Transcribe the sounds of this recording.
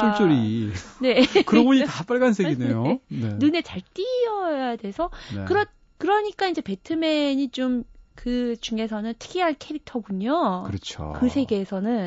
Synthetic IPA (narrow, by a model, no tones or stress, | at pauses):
ont͡ɕ͈oɾine̞kɯɾʌboɲitap͈aɭɡans̬ʰeɡine̞jonenune̞t͡ɕaɭt͈iʌjade̞sʰʌkɯɾʌ | kɯɾʌɲik͈aind͡ʑe̞pe̞tʰɯme̞ɲit͡ɕomkɯt͡ɕuŋe̞sʰʌnɯntʰɯ̥ɡʰiɦankʰe̞ɾik̚tʰʌɡuɲokɯɾɯt͡ɕʰo̰kɯsʰe̞ɡe̞ːsʰʌnɯn